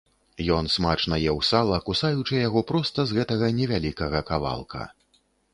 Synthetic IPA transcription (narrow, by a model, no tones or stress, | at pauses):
jɔnsmat͡ʂnɐjɛwsalˠɐkusajut͡ʂɨjaɣɔpɾɔst̪ɐzɣɛt̪ɐɣɐnʲɛvʲalʲikɐɣɐkava̰lˠkʰɐ̰